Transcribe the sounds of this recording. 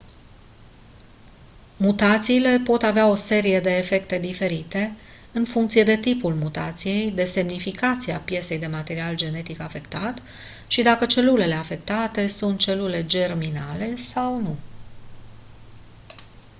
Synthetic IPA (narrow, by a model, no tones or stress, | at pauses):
mut̪at̪siːle̞po̞t̪aveao̞se̞ɾije̞d̪e̞ːfe̞kt̪e̞d̪ife̞ɾit̪e̞ | ɨnfuŋkt̪sijed̪e̞t̪ipulmut̪at̪sije̞jd̪e̞se̞mnifikat̪siapje̞se̞jd̪e̞mat̪e̞ɾiald͡ʒe̞ne̞t̪ikafe̞kt̪at̪ | ʃid̪akət͡ʃe̞lule̞le̞afe̞k̚t̪at̪e̞sunt̪̚t͡ʃe̞lule̞d͡ʒe̞rminale̞sawnu